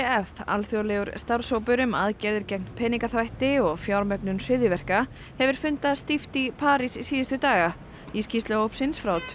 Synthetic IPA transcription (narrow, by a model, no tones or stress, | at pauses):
ɛfa̰lθjowlɛɣʏɾ̥st̪awɾ̥soːwpʏɾʏmaðcɛɾðɪɾcɛk̚npʰɛːniŋkaθvajht̪ɪɔɣfjawɾmœknʏnsɪðjʏvɛr̥ka | hɛvʏɾ̥fʏnt̪aðst̪ift̪ipʰaːɾisisiːðʏst̪ʏt̪aːɣa | iscist̪lœowpsɪnsfɾawt̪